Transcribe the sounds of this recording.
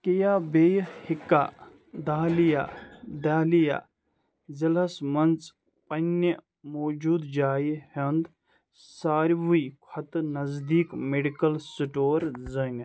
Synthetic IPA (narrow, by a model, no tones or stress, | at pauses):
kijaːbeːjhɪkːaː | d̪aːlija̰ːd̪aːlija̰ː | zɐlɐsmɐnt͡s | pɐnə | moːd͡ʒuːd̪d͡ʒaːjhɐnd̪ | saːɾʋukʰɐt̪nɐzd̪iːkmeɖikɐlsiʈoːɾzɐŋɡ